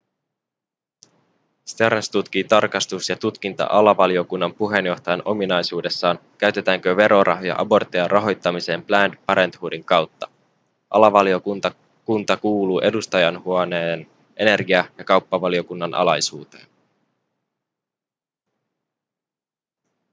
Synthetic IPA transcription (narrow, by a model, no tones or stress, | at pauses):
st̪eɾnst̪ut̪k̟iːt̪ɑrkɑst̪usjɑt̪ut̪k̟int̪ɑ̰ʔɑlɑʋɑlio̞kunːɑmpuɦe̞njo̞ht̪ɑjɑnʔo̞minɑjsuːde̞sːɑːnkæɥt̪e̞t̪æːŋk̟øʋe̞ɾʔo̞rʔɑ̰ɦojɑ̰ʔɑbo̞rt̪ejɑrʔɑɦo̞jt̪ːɑmise̞ːmplændpɑɾe̞nt̪huːdiŋkɑwt̪ːɑ̥ | ʔɑ̰lɑʋɑlio̞k̪t̪ɑ | kunt̪ɑkuːluːʔe̞dust̪ɑjɑnhuoneːn | ʔe̞ne̞rɡiɑjɑkɑwpːɑʋɑlio̞kunːɑnʔɑ̰lɑjsuːt̪e̞̰ːn